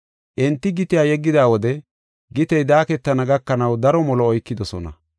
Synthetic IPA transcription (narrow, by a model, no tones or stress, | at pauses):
ʔɪnt̪ːɪɡɪt̪ɪjaːjɛɡːɪd̪aːwɔd̪ɛ | ɡɪt̪ɛjd̪aːkɛt̪ːɐnɐɡɐkːɐnɐwd̪ɐɾɔmɔlɔːjkːɪd̪ɔsɔ̰nɐ̰